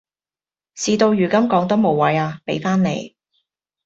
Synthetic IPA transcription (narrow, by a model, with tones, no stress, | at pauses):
siː˨˧t̪o˧wjyː˨˩kɐ˥mkɔː˨˥ŋt̪ɐ˥mo˨˩wɐ˨˥jaː˧pe˨˥jfaː˥nnḛ˨˧j